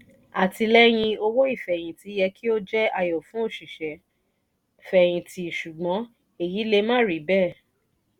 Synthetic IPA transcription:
a˨ti˧lɛ˦j̃ĩ˧o˧wo˦i˦˨fɛ˨j̃ĩ˨ti˨˦jɛ˧ki˦o˦d͡ʒɛ˦a˧jɔ˨fũ˨˦o˦˨ʃi˨ʃɛ˨ | fɛ˨j̃ĩ˧tʰi˧˨ʃu˨ɡ͡bɔ̃˨˦ | e˦˨ji˨˦le˧mã˦˨ɾi˨˦bɛ˦˨

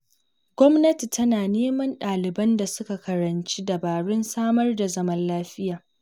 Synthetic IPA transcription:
ɡ̥ʷɔ˦mnɐ˦ti˨tɐ˦naː˨neː˦mɐ˦nɗaː˨lɪ˨bɐ˦nda˨sʊ˦ka˨kɐ˨ɾɐ˨nt͡ʃi˦dɐ˨baː˨ɽɪ˦nsaː˦mɐ˦rda˨zɐ˦mɐ˦nlaː˦ɸɪ˦jaː˨

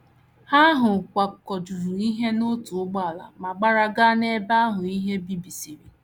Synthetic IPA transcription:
ha˦ɦʊ˨kʷa˨kɔ˨d͡ʒu˨ɾu˨i˦ɦe˦no˦tʊ˨ʊ˦ɡ͡ba˦˨a˨la̰˨ma˨ɡ͡ba˦ɾa˦ɡa˦ne˦ba˦ɦʊ˨i˦ɦe˦bi˦bi˨si˨ɾi˨

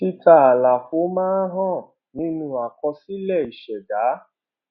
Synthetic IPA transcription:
ti˦ta˦˧a˨la˨fo˨˦mãː˦ɦɔ̃˦˨ | nĩ˦nũ˦a˨kɔ˧si˦lɛ˦˨i˨ʃɛ˨ɡa˨˦

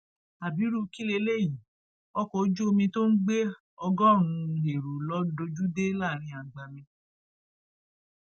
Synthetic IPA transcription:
a˨bi˨˦ɾu˦ki˦le˧˦le˦˨jĩ˨ | ɔ˦kɔ˦d͡ʒu˦o˧mĩ˧to˦n̩˦ɡ͡be˦ | ɔ˧ɡɔ˦˨ɾ̃ũ˧ɦe˨ɾu˨lɔ˨˦do˧d͡ʒu˦de˦laː˦˨ɾ̃ĩ˧a˨ɡ͡ba˨mĩ˧

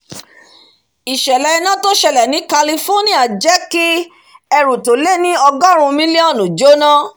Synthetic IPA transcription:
i˨ʃɛ˨lɛ˧nã˦to˦ʃɛ˧lɛ˨nĩ˨˦ka˧li˧fo˦nĩ˦a˨d͡ʒɛ˦ki˦ | ɛ˧ɾu˨to˨le˦nĩ˦ɔ˧ɡɔ˦ɾ̃ũ˧mĩ˦le˦ɔ˦˨nũ˨d͡ʒo˦nã˦

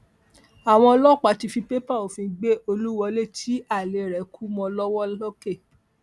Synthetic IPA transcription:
a˨w̃ɔ̃˧ɔ˧lɔ˦˨k͡pa˨˦ti˧fĩ˧pe˦pa˦˨o˨fĩ˧ɡ͡be˦o˧lu˦wɔ˧le˦˨tʰi˨˦a˦˨le˨ɾɛ˨˦kʰu˦mɔ̃˧lɔ˦wɔ˦lɔ˦ke˦˨

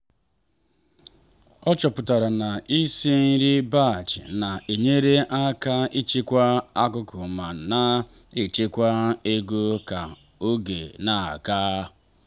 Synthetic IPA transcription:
ɔ˦t͡ʃɔ˨pʊ˨ta˨ɾa˨na˨i˦sie˦n̩˦ɾi˦ba˦˨t͡ʃɪ̰˨na˨e˨ɲe˦ɾe˦ʔa˦ka˦i˦t͡ʃe˦kʷa˦a˦kʊ˦kʊ˨ma˨na˦ | i˨t͡ʃe˦kʷa˦e˦ɡo˦ka˨ | o˦ɡḛ˨na˨a̰˨kaː˦

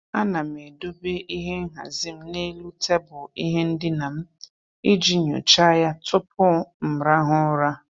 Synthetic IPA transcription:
a˦na˨m̩˨e˨do˦be˦ʔi˦ɦe˦ŋ̩˦ɦa̰˨zi˦m̩˦ne˦lu˦tʰe˦bʊ˨i˦ɦe˦n̩˦dɪ˦na˨m̩˦ | i˦d͡ʒi˦ɲo̰˨t͡ʃa˦ja˦tʊ˦pʊ˦m̩˨ɾa˦ɦʊ˦ɾa˦

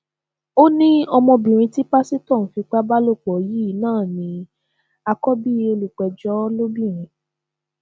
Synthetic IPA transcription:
o˦nĩ˦ɔ˧mɔ̃˧bĩ˨ɾ̃ĩ˧ti˦pa˦si˦tɔ̃˦˨fi˧k͡pa˦ba˦lo˦˨k͡pɔ˨ji˦˨˦nãː˦˨nĩ˨˦ | a˧kɔ˦bi˦o˧lu˨k͡pɛ˨d͡ʒɔ˦lo˦bĩ˦˨ɾ̃ĩ˧˦

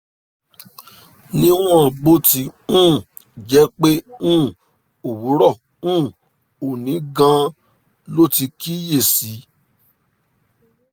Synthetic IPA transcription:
nĩ˦w̃ɔ̃˦˨ɡ͡bo˦ti˧˦ũː˦˨ | d͡ʒɛ˨˦k͡pe˦ũ˦˨ | o˨wu˨˦ɾɔ˦˨ | ũː˦˨ | o˨nĩ˨˦ɡã˧˦ | lo˦ti˧ki˦je˦˨si˨˦

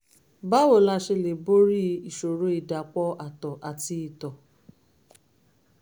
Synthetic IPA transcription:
ba˦wo˨la˧ʃe˧le˨bo˦ɾi˦i˨ʃo˨ɾo˦i˦˨da˨k͡pɔ˦ʔa˨tɔ˨ʔa˨ti˧˦i˨tɔ˨

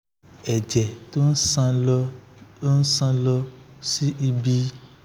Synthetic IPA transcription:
ɛ˨d͡ʒɛ˨to˦n̩˦sã˧ | o˦n̩˦sã˧lɔ˧si˦ʔi˧bi˧

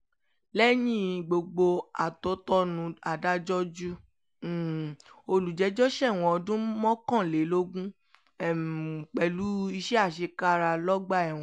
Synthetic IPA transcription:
lɛ˦nĩ˦˨ɡ͡bo˧ɡ͡bo˧a˨tɔ˨˦tɔ˦nũ˧a˨da˦d͡ʒɔ˦d͡ʒu˦˨ | o˧lu˨d͡ʒɛ˨˦d͡ʒɔ˦ʃɛ˦˨w̃ɔ̃˧˨ɔ˧dũ˦mɔ̃˦kã˦˨le˨˦lo˦ɡũ˦˨ | k͡pɛ˨lu˨˦i˧ʃɛ˦a˦˨ʃ̬e˧ka˦ɾa˧lɔ˦ɡ͡ba˦˨ɛ˨w̃ɔ̃˨

